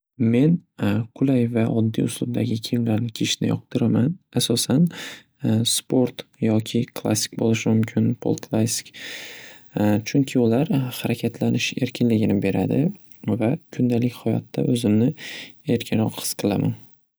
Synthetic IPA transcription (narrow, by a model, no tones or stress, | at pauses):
me̞nkʰʊlajvaʔɒd̪ːḭʊslˠʊb̚d̪aɡʲɪkʲʰemʲlaɾnɪkʲʰeʃnɪ̰jɒq̚t̪ʰɨɾamanasɒsan | spʰo̞ɾt̪jɒkʲʰɪkʰlˠa̰sːɪ̥kʲbolɪʃɪmʊmkʲʰɪnpʰo̰lˠkʰlˠasi̥kʲ | t͡ʃʰʊŋkʲʰɪʊlaɾhaɾakʲʰat̪ʰlanɪʃe̞ɾkʲʰɪnlɪɡʲɪnɪbe̞ɾa̰d̪ɪ | vakʰʊnd̪alɪkʲhɒjɒ̰t̪ʰːa̰ʔɵzɪmnɪe̞ɾkʲʰɪnɾɒqhɨ̥sqʰɨlˠa̰man